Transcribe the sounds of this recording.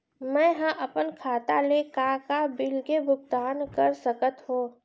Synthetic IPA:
mɛ̃ɦãʔɐpənkʰaːt̪alekakabɪlkebʱʊɡ̚t̪aːnkəɾsəkət̪ɦõː

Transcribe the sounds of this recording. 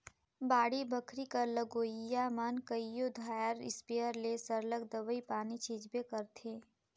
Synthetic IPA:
baːɽibʱəkʰɾikɐɾləɡoːjamankəijod̪ʱaːjəɾɪ̰spiəɾlesɐɾləɡ̚d̪ɐʋəipaːnit͡ʃiːd͡ʒbekɐɾt̪ʰeː

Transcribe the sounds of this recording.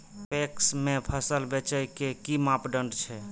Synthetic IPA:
peksmepʰəsəlbet͡ʃəjkekimapɖəɳɖt͡ʃʰɛ

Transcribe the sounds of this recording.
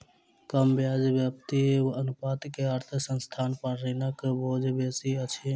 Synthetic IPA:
kəmbjad͡ʒʋjəpt̪ieʋənʊpat̪keəɾt̪ʰəsənst̪ʰaːnpənɾinakeboːd͡ʒbesiət͡ʃʰi

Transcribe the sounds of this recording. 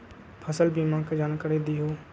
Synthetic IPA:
pʰəsəlbimãːkad͡ʒaːnkəɾed̪iɦoː

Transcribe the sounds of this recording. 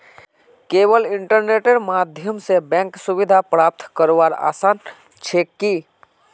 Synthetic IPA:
keːwəlɪ̃ɳʈəɾneːʈeɾmaːd̪ʱjəmsebɛ̃ːŋksʊwɪd̪ʱapɾaːp̚t̪ʰkəɾʋaːɾa̰ːsaːn | t͡ʃʰeːkːi

